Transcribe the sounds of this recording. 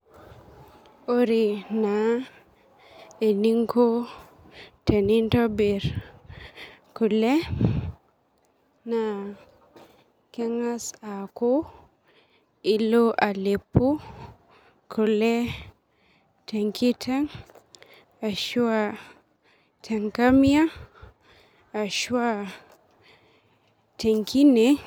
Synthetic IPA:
o˦ɾi˨na˨ | e˨ni˦ŋkʰo˦ | te˨ni˦ntɔ˦be˨ɾ | ku˨le˦ | na˨ | kɛ˦ŋa˦sa˨ko˦ | i˦loʔa˨le˨pːu˦ | ku˨lɛ˦ | tɛ˨ŋki˦tʰɛ˦ŋ | a˨ʃu˦a | tʰɛ˨ŋka˦mia˦˨ | ʃu˦a˦ | tɛ˨ŋkʰi˦nɛ

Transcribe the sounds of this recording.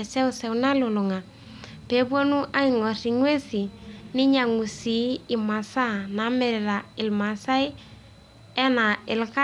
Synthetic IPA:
ɛ˨sɛ˦ʊ˦sɛ˨wna˦lʊ˨lʊ˨ŋa˨ | pe˨˦bwo˦nu˦ʔa˦i˨ŋɔ˨ri˨ŋwe˦si˨nɪ˦ɲa˨ŋu˨si˨˦ɪ˨ma˨sa˦na˨˦mɛ˨ɾɛ˨ɾa˨ɪ˨lma˨sa˦i˦ | ɛ˦na˨ɪ˨lka˦

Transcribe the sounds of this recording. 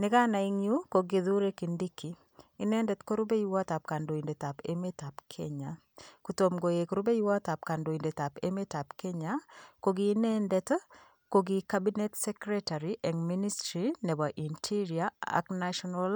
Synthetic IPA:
nɪ˦ka˦na˨iŋju˦ko˨ɡi˨ðu˦ɾe˦kindi˦kiː˦ | nɛ˦ndɛ˨tko˦ɾu˦be˦ju˦wa˦t̪a˨p̚ka˨ndo˨i˨nde˨ta˨pḛmeta˨pkʰeɲa˨ | kuto˨mɡo˨je˨kɾu˦be˦ju˦wa˦t̪a˨p̚ka˨ndo˨i˨nde˨ta˨pḛmeta˨pke˦ɲako˨ɡiːnɛ˦ndɛt | ko˨ɡika˦bi˦nɛ˦tsɛ˦kɾɛta˨ɾiʔɛ˨ŋmi˦ni˦stɾinɛ˨ba˨ʔi˨ntʰi˦ɾiaa̰knaʃɔnal

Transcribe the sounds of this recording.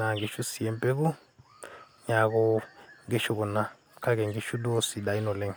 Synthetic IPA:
na˨ŋɡe˨ʃu˦si˨ɛ˦mpɛ˦ku˦ | ɲa˨kɔ˨ŋɡɛ˦ʃu˦kɔ˨na˨ | kʰa˦kɛ˨ŋɡi˦ʃu˦ɗɔ˦si˨ɗa˨i˦nɔ˨lɛ˦˨ŋ˨

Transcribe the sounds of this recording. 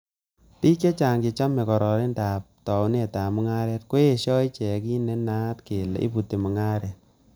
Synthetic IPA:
pi˦ke˦t͡ʃa˨ŋɡɪ˨˧t͡ʃa˦mɛ˨kɔ˨ɾɔ˨ɾi˦nda˨p̚tɔ˨ʊ˦n˦e˨ta˨mu˦ŋa˦ɾɛ˦tko˦e˨ʃɔ˦i˦t͡ʃɛ˨ki˦ne˦na˦tke˨lḛ˨ʔḭ˦pu˨te˨mu˨ŋa˦ɾɛ˨t̚

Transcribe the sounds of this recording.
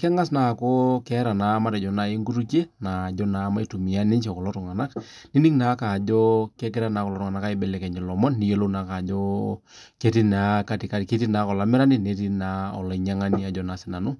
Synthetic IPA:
kɛ˦ŋa˦s̬na˨kɔ˦kɛ˦ɾa˨na˨˦ma˦ɾɛ˨d͡ʒɔ˨na˨˦i˦ŋɡu˦ɾu˦ke˦na˨d͡ʒɔ˦na˨˦ma˦i˦tu˨mi˨a˦nɪ˦ɲt͡ʃɛ˨kɔ˨lɔ˦tʊ˨ŋa˨na˦k | ni˦ni˦ŋna˨˦ka˨d͡ʒɔ˦kɛ˦k̬ɪ˦ɾa˦naː˨˦kɔ˨lɔ˨˦tʊ˨ŋa˨na˦ka˦i˦bɛ˦˨lɛ˨kɛ˨ɲd͡ʒɛ˨lɔ˨mɔ˦nːi˨˦jo˦lo˦na˨˦ka˨d͡ʒɔ˦ | ke˦ti˦na˨˦ka˦ti˨ka˨˦tke˦ti˦na˨˦kɔ˨la˨mɪ˦ɾa˦ni˦ne˦ti˦na˨˦ɔ̰˨la˨˦ɲa˦ŋa˦ni˦a˨˦d͡ʒɔ˦na˨˦sɪ˦na˨nʊ˦

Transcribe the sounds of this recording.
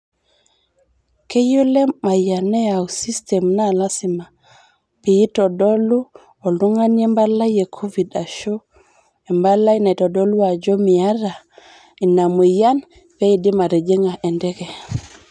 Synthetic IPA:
ke˦jo˦le˦ma˨ja˨nɛ˦a˨u˨si˦stɛ˨mna˦˨la˦si˨ma˨ | pi˨i˦tɔ˨dɔ˦lu˦ | o˨lu˦ŋa˦nɛ˦mba˦la˦je˨kʰo˦vi˨da˨ʃo˦ | ɛ˨mba˦la˦i˦na˨i˨tɔ˨dɔ˦lu˦a˨d͡ʒo˦mi˨a˦ɾa˨ | i˨na˨mu˨ja˦n | pe˦i˨di˦ma˨ɾe˨d͡ʒe˦ŋa˨ʔɛ˨ndɛ˦ɡɛ˨

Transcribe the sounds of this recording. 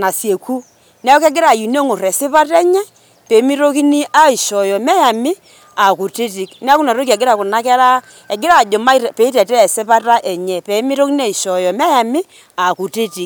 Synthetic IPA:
na˨sje˨ku˦ | n˦a˦jɔ˦kɛ˦ɡɪ˦ɾa˨ju˨ne˦ŋʊ˨rɛ˨sɪ˦pa˦tɛ˦ɲɛ˦ | pɛ˨˦mi˦ɾo˦ki˦ni˦ʔa˦i˨ʃɔ˨jɔ˨mɛ˦ja˨mɪ˦ | a˨ku˨ti˦ti˨kni˦a˦kʊ˦na˨ɾo˦ki˨ɛ˨ɡɪ˦ɾa˨kʊ˨na˦kɛ˦ɾa˦ | ɛ˨ɡɪ˦ɾa˨d͡ʒo˨ma˦˨pɛ˨˦i˦tɛ˨tɛ˦˨sɪ˦pa˦ta˦ʔɛ˨ɲɛ˨pɛ˨˦mɪ˦ɾo˦ki˦n˦a˦i˨ʃɔ˨jɔ˨mɛ˦ja˨mɪ˦ | a˨ku˨ti˦ti˨˦k

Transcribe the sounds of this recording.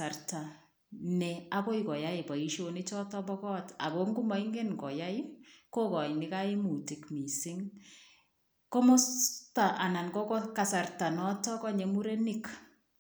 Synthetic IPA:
a˨rta˨ | nɛ˨a˦ko˦i˨kɔ˨ja˦ɪ˨ba˨i˦ʃo˦nɪ˦t͡ʃɔ˦tɔ˦bɔ˦kɔ˦ta̰˨ko˦ŋɡu˦ma˨˦i˦ŋɡe˦nkɔ˨ja˦ɪ˦ko˦kɔ˨nɪ˦ka˦ɪ˦mu˨ti˨kmi˨sɪ˦ŋ | ko˦mo˦sta˨ʔa˨na˨nkɔ˦kɔ˦ka˨sa˨rta˨nɔ˦tɔ˦kɔ˦ɲe˨mu˦ɾe˦nɪ˦k

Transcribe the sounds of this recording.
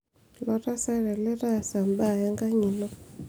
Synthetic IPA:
lɔ˦ɾa˦sa˦ɾɛ˨lɛ˦ɾa˦˨sa˨mba˦˨ja˦ŋɡa˦ɲi˨lɔ˦

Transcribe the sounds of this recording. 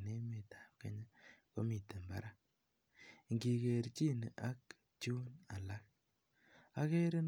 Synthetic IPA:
ne˦me˨tḁ˨p̚kḛ˨˦ɲə˦ko˦mi˨te˨mba̰˦ɾa˦ | ŋɡi˨ke˨ɾt͡ʃi˦n˨ʔa˦k | t͡ʃuː˦na˨la˦k̚ | a˦ke˦ɾe˦n

